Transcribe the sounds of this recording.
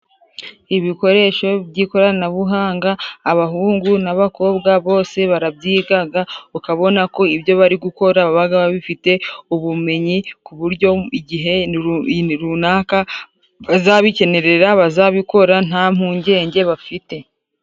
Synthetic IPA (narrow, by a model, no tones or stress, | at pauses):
iβiko̞ɾe̞ʃo̞bɟiːko̞ɾanaβuɦaːŋɡaːβaɦuːŋɡunaβako̞ːbɡaβo̞ːse̞βaɾabɟiːɡaɡaukaβo̞nako̞ibjo̞βaɾiɡuko̞ɾaβaβaɡaβaβifite̞uβume̞ɲikuβuɾɟo̞iɟiɦe̞ | ɾunaːka | βazaβice̞ne̞ɾe̞ɾaβazaβiko̞ɾan̥aːm̥huːɲɟe̞ːɲɟe̞βafite̞